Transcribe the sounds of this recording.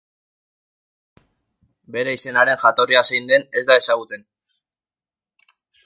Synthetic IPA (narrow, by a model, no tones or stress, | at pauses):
be̞ɾeise̞naɾe̞nʝat̪o̞riasajnd̪e̞ne̞zd̪ae̞saɣut͡s̪e̞n